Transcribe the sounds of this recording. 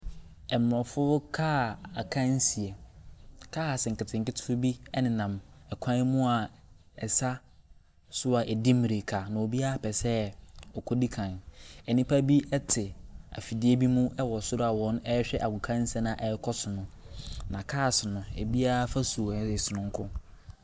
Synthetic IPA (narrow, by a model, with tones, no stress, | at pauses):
ɛ˨m˨ɾɔ˨fʊ˦kʰaː˦a˨kʰã˦n˦si˨e˨ | kʰaː˦˨sɪ˨ŋ̩˨kɪ˨tʰɪ̃˨ŋ̩˨kɪ˦tʰɪ̥˦fʊ˦bi˦ɛ˦nɪ̃˨nã˨mɛ˨kʷʰã˦mũ˦a˨ | ɛ˨sa˦ | sʊ˦a˨ʔɛ˨dɪ˦mi˨ɾe˨kʰa˨nã˨o˨bi˦a˦a˦pʰɛ˨sɛ˦˨ɔ˨kʰɔ˦di˦kʰã˨nɛ˨nĩ˦pʰa˦bi˦ɛ˦tʰɪ˨a̰˨fi˨dɪ˦e˦bi˦mũ˦ɛ˦wɔ˨sʊ˦ɾʊ˦a˨wɔ̃˦nɛ˦ɕᶣɛ˦ʔa˨kʊ˨kʰã˦n̩˦sɛ˦nã˨ʔɛ˨˦kʰɔ˦sʊ˨nʊ̃˦ | nã˨kʰaː˦˨sɪ˨nʊ̃˨ɛ̰˨bi˦a˦fa˦su˨˦ɪ˨sʊ˨nʊ̃˨ŋ˦kʰʊ̰̃˦